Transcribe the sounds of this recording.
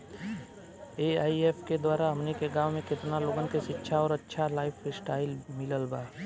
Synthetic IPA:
eːaːieːpʰked̪waːɾaɦɐmnekeɡãːwmẽkɪt̪naloːɡənkeʃɪtːʃʰaɔːɾɐtːʃʰalaːɪpʰsʈaːɪlmɪləlbaː

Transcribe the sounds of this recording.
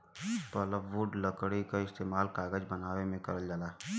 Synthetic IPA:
pələbʋuɖləkɽikaɪst̪eːmaːlkaːɡəd͡ʒbənaːwemẽkɐ̰ɾəld͡ʒalaː

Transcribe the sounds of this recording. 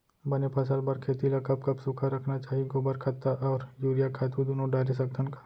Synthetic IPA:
bɐnepɐsəlbɐɾkʰeːt̪ilakɐp̚kɐpsʊkʰaɾɐkʰnat͡ʃaːɦikobɐɾkʰɐt̪aʔɔːɾjuːɾijakʰaːt̪ũd̪oːnõɖaːɾisɐkt̪ʰənkḁ

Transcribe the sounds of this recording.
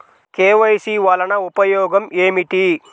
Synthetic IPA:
keːʋɐjsiːʋɐlɐnɐupɐjɔːɡɐmeːmiʈi

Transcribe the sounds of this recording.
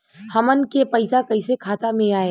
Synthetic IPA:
hɐmənkepɐɪsakɐisekʰaːt̪amẽaːe

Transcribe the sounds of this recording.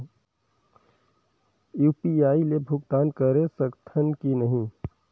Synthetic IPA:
juːpiaːilebʱʊɡt̪aːnkəɾesəkt̪ʰənkinɐɦĩ

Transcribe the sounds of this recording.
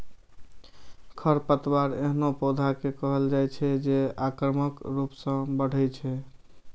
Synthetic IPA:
kʰəɾpət̪baɾḛɦnopod̪ʱakekəɦəld͡ʒajt͡ʃʰɛd͡ʒeakɾəməkɾupsə̃bəɽ̤ɛt͡ʃʰɛ

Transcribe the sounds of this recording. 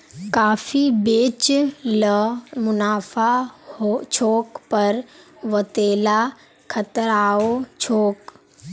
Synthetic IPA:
kaːfibeːt͡ʃləmʊnaːfaot͡ʃʰoːkpɐɾʋət̪eːla | kʰət̪əɾaːot͡ʃʰoːk

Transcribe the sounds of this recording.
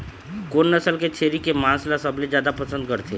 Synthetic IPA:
koːnːəsəlket͡ʃʰeːɾikemãːslasɐbled͡ʒjaːd̪apɐsə̃nd̪̚kəɾt̪ʰeː

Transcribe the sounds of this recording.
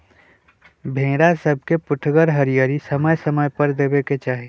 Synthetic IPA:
bʱẽːɾasəb̚ʱkepʊʈʰɡəɾɦəɾijəɾisəməjsəməjpəɾd̪eːbeket͡ʃaːɦi

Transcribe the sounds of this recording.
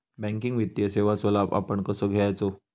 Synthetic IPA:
bɛ̃ŋkiŋɡʋit̪ːjəseʋasʋəlaba̰pəɳkəsoɡʱejajt͡so

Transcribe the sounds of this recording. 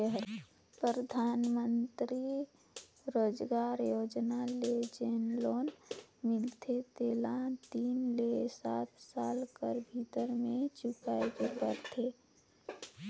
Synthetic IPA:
əɦɾ | pɾɾəd̪ʱaːnmənt̪ɾi | ɾoːd͡ʒɡaːɾjoːd͡ʒnaled͡ʒeːnloːnmɪlt̪ʰet̪eːlãt̪iːnlesaːt̪ʰsaːlkəɾbʱit̪əɾmẽt͡ʃʊkaekepəɾt̪ʰe

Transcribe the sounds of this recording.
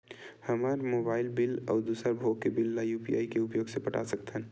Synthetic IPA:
həmaɾmobaːɪlbɪlɔ̰ːɾd̪uːsəɾbʱoɡkebɪlːaːjupija̰ːikeʊpjoːɡsepəʈa̰sək̚t̪ɦɛ̃n

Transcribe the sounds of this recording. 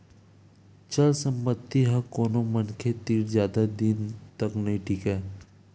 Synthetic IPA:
t͡ʃɐlsə̃mpət̪ːiɦɐkoːnomənkʰet̪iːɾzjaːd̪ad̪int̪əknɐɦĩʈʰiːkɦɛː

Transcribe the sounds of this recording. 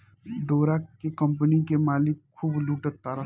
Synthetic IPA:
ɖoːɾakekə̃mpənikemaːlɪkkʰːuːbluːʈət̪aːɾə

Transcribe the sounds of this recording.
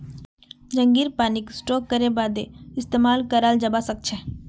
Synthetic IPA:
d͡ʒə̃ŋɡiːɾpaːnɪksʈɔːkːəɾebaːd̪eɪst̪eːmaːlkəɾaːld͡ʒəbasək̚t͡ʃʰɛː

